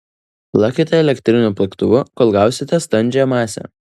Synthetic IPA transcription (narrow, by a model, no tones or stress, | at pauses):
plˠɑkʲɪt̪ʲɛɛlʲɛkʲt̪ʲɾʲɪnʲuːpʲlʲˠɐkt̪ʊʋʊkɔlˠɡɑˑʊsʲɪt̪ʲɛst̪ɐnʲd͡ʒʲɛmɑːsʲɛ̰